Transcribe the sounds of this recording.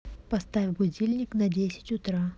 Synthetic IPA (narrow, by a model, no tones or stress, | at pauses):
pɐst̪avʲbʊdʲilʲnʲɪknɐdʲesʲɪ̥tʲʊt̪ɾa